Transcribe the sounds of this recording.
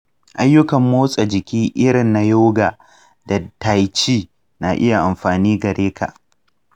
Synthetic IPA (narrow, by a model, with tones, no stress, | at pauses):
ʔa˦jːʊ˦kɐ˨mːoː˦sʼa˨d͡ʒɪ˨kʲiː˦ʔɪ˦ɽɪ˨nːa˦joː˦ɡaː˨ | da˨ta˨jt͡ʃiː˦ | na˨ʔɪ˦ja˨ʔa˨mɸaː˨niː˦ɡɐ˨ɽʔeː˦kʰa̰˨ʔ